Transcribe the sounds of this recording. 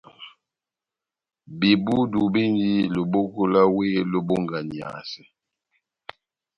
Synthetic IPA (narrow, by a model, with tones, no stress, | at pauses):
bi˨bu˦du˨bi˦ndi˦lo˨bo˦ko˦la˦we˦lo˦bo˦ŋɡa˨ni˨a̰˨sɛ˨